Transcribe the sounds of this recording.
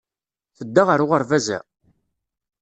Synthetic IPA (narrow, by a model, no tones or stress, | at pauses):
θəd̪ːaʁəɾʊʁəɾvæzæ̰